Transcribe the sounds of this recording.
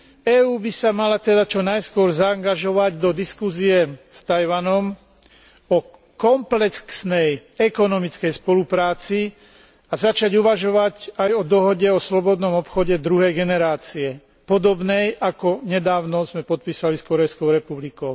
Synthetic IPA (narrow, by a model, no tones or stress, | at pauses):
ɛːuːbisamalat̪ɛd̪at͡ʃɔnajskʊɔɾzaːŋɡaʒɔʋaɟd̪ɔd̪iskuziɛst̪ajʋanɔm | ɔ | kɔmplɛkksnɛjɛkɔnɔmit͡skɛjspɔlupɾaːt͡si | azat͡ʃaɟuʋaʒɔʋacajɔd̪ɔɦɔɟɛɔslɔbɔd̪nɔmɔpxɔɟɛd̪ɾuɦɛjɡɛnɛɾaːt͡siɛ | pɔd̪ɔbnɛjʔakɔɲɛd̪aːʊnɔzmɛpɔt̪̚piːsaliskɔɾɛjskɔʊɾɛpublikɔʊ